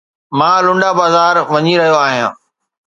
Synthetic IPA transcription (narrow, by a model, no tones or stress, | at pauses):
mãːlʊ̃ɳɖabaːzaːɾʋɐɲiɾɐɦijoaːɦijã̰ː